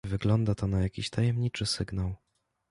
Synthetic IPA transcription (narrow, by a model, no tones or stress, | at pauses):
vɘɡlɔnd̪at̪ɔnajakʲiɕt̪ʰajɛmɲit͡ʂɘsɘɡnaw